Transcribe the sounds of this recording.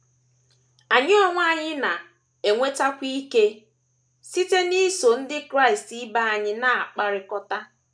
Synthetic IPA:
a˨ɲɪ˦ɔ˦ŋʷ˦a˦ɲɪ˦na˨ | e˨ŋʷe˦ta˦kʷi˦i˦ke˦ | si˦te˦ni˦so˨n̩˦dɪ˦kɾa˦˨i˨sti˦ba˦a˨ɲɪ˦na˦˨a˨k͡pa˦ɾɪ˨kɔ˦ta˦

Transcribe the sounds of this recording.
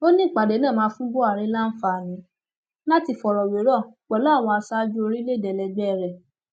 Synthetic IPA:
o˦nĩ˦˨k͡pa˨de˨˦nã˦˨mãː˨˦fũ˦bo˦a˨ɾ̃ĩ˦la˦n̩˦fa˧a˨j̃ĩ˨˦ | la˦ti˧˨fɔ˨ɾɔ˨we˨˦ɾɔ˦˨k͡pɛ˨lɔ˦a˦˨w̃ɔ̃˧a˧sa˦d͡ʒu˦o˧ɾi˦le˦˨dɛ˨lɛ˧ɡ͡bɛ˦˧ɾɛ˨

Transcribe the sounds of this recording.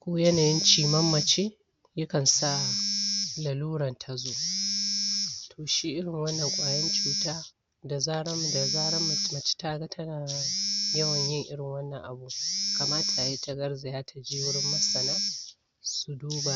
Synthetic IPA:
kʷoː˦jɐ˦naː˨jɪ˦nt͡ʃiː˨mɐ˦mːɐ˨t͡ʃe˦ | jɐ˦kɐ˨nsa˦ | la˨luː˦ɽɐ˨ntʰa˨zoː˦ | tʰoː˨ʃiː˦ʔɪ˦ɽɪ˨ŋwɐ˦nːɐ˨ŋkʷʼaː˨jɐ˦nt͡ʃuː˨taː˦ | da˨zaː˦ɽɐ˦m˨da˨zaː˦ɽɐ˦m˨˦mɐ˨t͡ʃe̥˦ta˦˨ɡa˦tʰɐ˦naː˨jɐ˦wɐ˨ɲjɪ˦ŋʔɪ̰˦ɽɪ˨ŋwɐ˦nːɐ˨ŋʔa˨bu˦˨ka˨maː˦tʰa˨ʔa˨ji˦ta˨ɡɐ˦rza˨jaː˦tʰa˨d͡ʒeː˦wʊ˦ɽɪ˦mːɐ˦sɐ˨naː˦ | su˨duː˦ba˨ʔ

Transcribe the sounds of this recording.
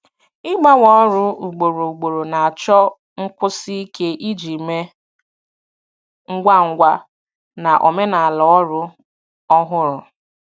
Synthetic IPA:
ɪ˦ɡ͡ba˦wɔ˦ɾʊ˦u˨ɡ͡bo˨ɾo˨u˨ɡ͡bo˨ɾo˨na˨a˨t͡ʃɔ˦ | ŋ̩˦kʷʊ˦si˦i˦ke˦ʔi˦d͡ʒi˨me˦ | ŋ̩˦ɡʷa˦ŋ̩˦ɡʷa˦ | na˨ʔo̰˨me˦na˨a˨lɔ˨ɔ˦ɾʊ˦ | ɔ˦ɦʊ˦ɾʊ˨

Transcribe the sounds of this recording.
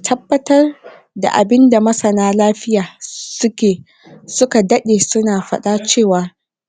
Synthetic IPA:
tʰɐ˦bːɐ˦tɐ˦r | da̰˨ʔa̰˨bɪ˦nda˨mɐ˦sɐ˨naː˦laː˦ɸɪ˦jaː˨sʊ˦kʲeː˨ | sʊ˦ka˨dɐ˦ɗeː˨sʊ˦naː˨ɸɐ̰˦ɗa˦t͡ʃeː˦˨waː˨

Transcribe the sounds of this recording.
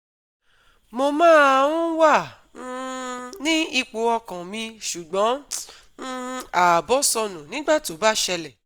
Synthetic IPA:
mo˧mãː˦a˧w̃ũ˦wã˦˨˧ | nĩ˦i˧k͡po˧ɔ˧kã˨mĩ˧ʃu˨ɡ͡bɔ̃˨˦ | a˨bɔ˨˦sɔ˧nũ˨nĩ˨˦ɡ͡ba˦˨to˨˦ba˦ʃɛ˧lɛ˨

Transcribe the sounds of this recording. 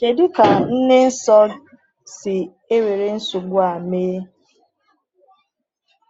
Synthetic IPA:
ke˨dʊ˦ka˨n̩˦ne˦n̩˦sɔ˦ | sɪ˨ | e˦we˨ɾe˨n̩˦su˨ɡ͡bʊ˦a˨meː˦

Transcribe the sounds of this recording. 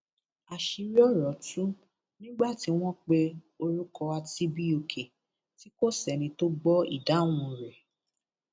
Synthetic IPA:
a˨ʃi˧ɾi˦ɔ˦˨ɾɔ˨tũ˦ | nĩ˦ɡ͡ba˦˨ti˨˦w̃ɔ̃˦k͡pe˧ | o˧ɾu˦kɔ˧a˧ti˦bi˦o˧kʰe˨ | ti˨˦ko˦˨sɛ˨nĩ˧to˦ɡ͡bɔ˦ḭ˦˨da˨˦˨w̃ɔ̃˧ɾɛ˨

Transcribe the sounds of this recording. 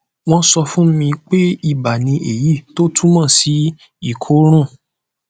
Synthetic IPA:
w̃ɔ̃˦sɔ˧fũ˦mĩ˧k͡pe˦i˦˨ba˨nĩ˧ʔe˨ji˦˨to˦tʰũ˦mã˦˨si˨˦ | i˦˨kʰo˨˦ɾ̃ũ˦˨

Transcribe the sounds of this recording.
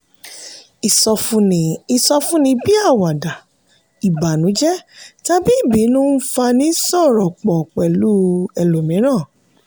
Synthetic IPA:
i˨sɔ˧fi˧sɔ˧fũ˦nĩ˧bi˦a˦˨wa˨da˨ | i˨ba˨nũ˨˦d͡ʒɛ˦ta˧bi˦i˦˨bi˨˦nũ˦n̩˦fa˧nĩ˨˦sɔ˦˨ɾɔ˨k͡pɔ˨k͡pɛ˨lu˨˦ɛ˧lo˨mĩ˨˦ɾ̃ãː˦˨

